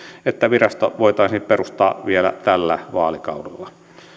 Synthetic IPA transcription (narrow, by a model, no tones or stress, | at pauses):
et̪ːæʋirɑst̪o̰ʋoˑet̪ɑˑisiːpperust̪ˑɑːʋielæ̰t̪ælːæʋɑːlikɑ̰ˑurulːɑ